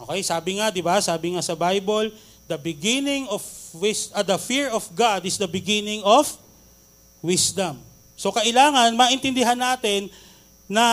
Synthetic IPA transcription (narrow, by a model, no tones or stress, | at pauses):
ʔokɛjsaːbɪŋad̪ɪbasaːbɪŋasɐbajbol | d̪ɐbɪɡɪnɪŋofwɪsʔɐd̪ɐfiɹɔfɡad̪ɪsd̪ɐbɪɡinɪŋof | wɪsd̪ɐm | so̞kɐʔɪlaːŋɐnmɐʔɪnt̪ɪnd̪ɪɦanːaːt̪ɛnː | ɐ